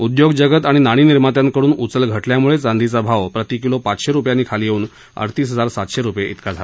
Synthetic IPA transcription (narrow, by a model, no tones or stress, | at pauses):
ud̪joɡd͡ʑəɡət̪aɽ̃inaɽ̃iːniɾmat̪jãnkəɽuːnut͡səlɡʱəʈljamuɭet͡sand̪ʱit͡sabʱaʋpɾət̪ikilopat͡sɕeɾupjanːiːkʰaliːjeuːn | ə̰ɽt̪iːsɦəd͡zaɾsat̪ɕeɾupjeʔit̪kad͡zʱala